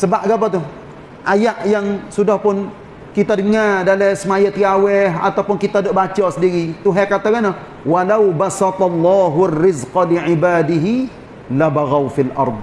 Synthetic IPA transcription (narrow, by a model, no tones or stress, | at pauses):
səbaʔɡapat̪ʊh | ʔajaʔjaŋsudahpʊn | kit̪adəŋardalɛsəmajət̪ɾiawɛɦa̰t̪awpʊnkit̪adoʔbat͡ʃɔsədiɾit̪uɦɛkat̪aɡana | walawbasɑt̪ɑlːɑːɦuarːɪzqɑliʕibaːdɪɦi | labaɣawfilʔɑ̰ɾˤd̪̚